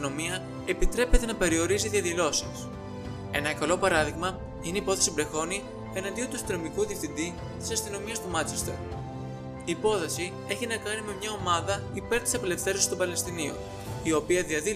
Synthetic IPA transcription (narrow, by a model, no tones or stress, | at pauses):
no̞miɐ | e̞pit̪ɾe̞pe̞t̪e̞nɐpe̞ɾio̞ɾiziðiɐðilo̞sis | e̞̰nɐkɐlo̞pɐɾɐðiɣmɐ | ineipo̞θe̞sibɾe̞xo̞ni | e̞nɐnd̪io̞t̪uɐst̪ino̞mikuðiefθind̪i | t̪i̥sɐst̪ino̞miɐst̪umɐt͡sest̪oɾ | iːpo̞θɐsi | e̞çinɐkɐnime̞mɲɐo̞mɐðɐipe̞ɾt̪isɐpele̞fθe̞ɾoi̥st̪obɐle̞st̪inio̰ | io̞piɐðiɐði